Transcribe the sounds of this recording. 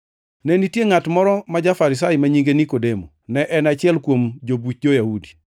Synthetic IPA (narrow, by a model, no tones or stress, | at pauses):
nɛnitjeŋatmɔɾɔmad͡ʒafaɾɪsajmaɲiŋɡenikodemonɛʔɛnat͡ʃɪɛlkwomd͡ʒobut͡ʃ̚d͡ʒojahudi̥